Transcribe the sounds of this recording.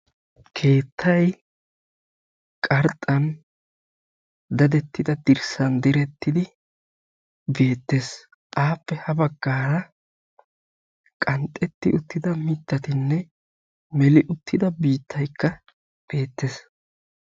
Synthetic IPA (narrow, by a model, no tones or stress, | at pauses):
kʰe̞ːt̪ʰːɐj | kʼɐɾt̪ʼːɐn | d̪ɐd̪ɛt̪ːɪd̪ɐd̪ɪɾsɐnd̪ɪɾɛt̪ːɪd̪ɪ | be̞ːt̪ːe̞s | ʔaːpːɛhɐbɐɡːaːɾɐ | kʼɐnt̪ʼːɛt̪ːɪʔʊt̪ːɪd̪ɐmɪt̪ːɐt̪ɪnːɛ | mɛlɪʔʊt̪ːɪd̪ɐbiːt̪ʰːɐjkːɐ | b̥e̞ːt̪ːes